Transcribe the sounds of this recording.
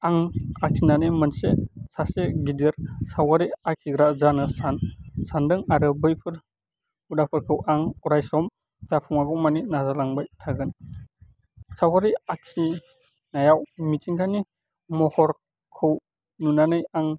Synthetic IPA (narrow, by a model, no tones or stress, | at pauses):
aŋakʰinanɯjmɯnsesaseɡideɾsawɡaɾiakʰiɡɾazanɯsansandɯŋaɾɯbɯjpʰɯɾ | udapʰɯɾkʰɯwʔaŋuɾajsɔm | dapʰuŋaɡɔwmaninazalaŋbajtʰaɡɯn | sawaɾiakʰi | najawmitʰiŋkʰani | mɔhɔɾ | kʰɯw | nunanɯjaŋ